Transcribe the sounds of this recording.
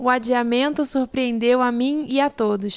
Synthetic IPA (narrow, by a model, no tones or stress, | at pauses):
ʊad͡ʒiamẽnt̪ʊsuɾpɾiẽnd̪ewamĩɪat̪od̪ʊs